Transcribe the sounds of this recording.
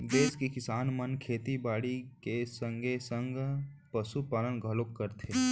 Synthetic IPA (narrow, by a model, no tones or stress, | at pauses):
d̪eːskekɪsaːnmənkʰeːt̪ibaːɽikesə̃ŋɡʱesə̃ŋɡ | pəsupaːlənɡʱəlokːəɾt̪ʰe